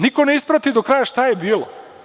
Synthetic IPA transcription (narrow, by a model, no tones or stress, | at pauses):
niko̞ne̞ispɾat̪id̪okɾajaʃt̪ajebiːlo̰